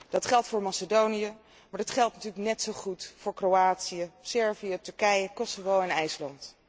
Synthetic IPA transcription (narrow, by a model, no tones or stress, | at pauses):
d̥ɑtχɛlˠtfʊːɹmasədowniə | maːɹdɑtχɛlˠtnatyːləknɛtsowχutfʊːɹkrowaːtsiəsɛɹvijətɵɹkɛjəkɔsovowɛnɛjslɑnt